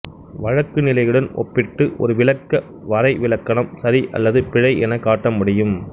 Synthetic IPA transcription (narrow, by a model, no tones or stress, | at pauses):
ʋɐɻɐkːɯnɪlɐɪɣɯɽɐnʔɔ̰pːɪʈːɯʔɔ̰ɾɯʋɪlɐkːɐ | ʋɐɾɐɪʋɪlɐkːɐɳɐmsɐɾiʔɐ̰lːɐðɯpɪɻɐɪɛnɐkːaːʈːɐmʊɽɪjɯm